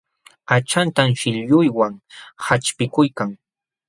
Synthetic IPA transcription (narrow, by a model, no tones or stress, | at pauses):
at͡ʃant̪amʃɪʎʎʊjwaŋhat͡ʃpɪkʊjkaŋ